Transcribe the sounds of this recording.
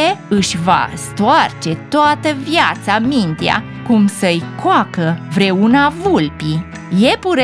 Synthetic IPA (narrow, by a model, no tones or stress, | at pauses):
eɨʃʲva̰st̪oart͡ʃe̞t̪oat̪əvjat̪samint̪ea̰ | kumsəɨjkoakəvɾe̞unavulpi | je̞puɾ